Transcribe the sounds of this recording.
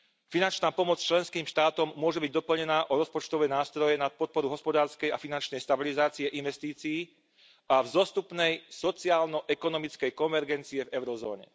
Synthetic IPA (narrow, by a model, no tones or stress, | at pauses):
finant͡ʃnaːpɔmɔt͡st͡ʃlɛnskiːmʃt̪aːt̪ɔmːʊɔʒɛbiɟ̚d̪ɔpl̩ɲɛnaːʔɔɾɔspɔt͡ʃt̪ɔʋɛnaːst̪ɾɔjɛnat̪̚pɔt̪̚pɔɾuɦɔspɔd̪aːɾskɛjafinant͡ʃnɛjst̪abilizaːt͡siɛʔinʋɛst̪iːt͡sijiː | avzɔst̪upnɛjsɔt͡siaːlnɔʔɛkɔnɔmit͡skɛjkɔnʋɛɾɡɛnt͡siɛvɛʊɾɔzɔ̰ːɲɛ̰